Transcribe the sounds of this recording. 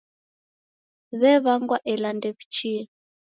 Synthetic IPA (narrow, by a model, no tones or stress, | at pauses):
βɛβaŋɡwaʔɛlandɛβit͡ʃi